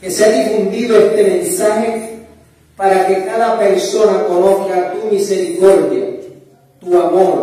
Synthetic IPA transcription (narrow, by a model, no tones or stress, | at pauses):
keseaðifund̪iðoest̪emẽnisaxe | paɾakekaðapeɾsonakonoθkat̪umiseɾikoɾðja̰ | t̪uamoɾ